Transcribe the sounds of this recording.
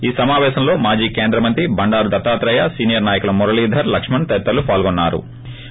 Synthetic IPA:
iːsɐmaːʋɛːʃɐmlo̞ːmaːd͡ʒiːkeːnd̪ɾɐmɐnt̪ɾibɐɳɖaːɾud̪ɐt̪aːt̪ɾɐjasiːnijɐɾnaːjɐkulɐmɔɾɐliːd̪ʱɐɾlɐkʂmɐɳt̪ɐt̪ːɐlupaːlɡonːa̰ːɾṵ

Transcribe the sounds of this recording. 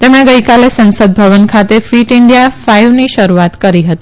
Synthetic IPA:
t̪emɽ̃eɡəjkalesə̃nsəd̪̚bʱəʋənkʰat̪efiʈɪnd̪jafajʋniʃəɾuat̪kəɾiɦət̪i

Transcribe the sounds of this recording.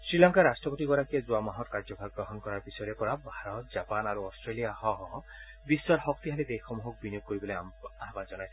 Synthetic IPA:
sɹilaŋkaɾasʈɔpɔt̪iɡɔɾakiezuamaɦɔtkaɾd͡ʒɔbʱaɡɡɾɔɦɔnkɔɾaɾpisɔɾepɔɾabʱaɾɔt̪d͡ʒapanaɾuɔsʈɾelijahɔ̃ɦɔ̃ɦɔ̃ | biswɔɾɦɔk̚t̪iɦalid̪ejxɔmuɦɔk̚binijuɡ̚koɾibɔloaɦabad͡ʒɔnaj

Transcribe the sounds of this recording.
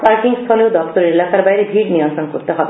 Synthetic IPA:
paɾʈiŋɡst̪ʰɔleud̪ɔkt̪ɔɾelakaɾbajɾebʱiːɽnijɔnt̪ɾɔnkoɾt̪eɦɔbe

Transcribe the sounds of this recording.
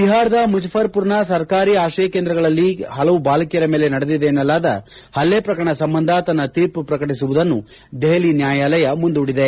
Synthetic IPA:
t̪iɦaːɾɐd̪ɐmud͡ʒɐpʰɐɾpuɾɳɐsɐɾkaːɾiːaːʃɐjɐkeːnd̪ɾɐɡɐɭɐlːiɦɐlɐʋubaːlɐkijɐɾɐmeːle̞nɐɽed̪id̪eːnːɐlːaːd̪ɐ̰ | hɐlːeːpɾɐkɾɐɳɐsɐmbɐnd̪ʱɐt̪ɐnːɐt̪iːɾpupɾɐkɐʈisuʋud̪ɐnːu | d̪eɦɐlinjaːjaːlɐjɐmund̪uːɽid̪e̞

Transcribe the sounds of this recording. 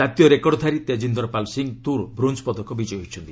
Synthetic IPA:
at̪jɔɾekɔɽɔd̪ʱaɾit̪ed͡ʒind̪ɔɾɔpalsiŋt̪uɾbɾunspɔd̪ʱɔkɔbid͡ʒɔjɔɦit͡ʃʰɔnt̪i

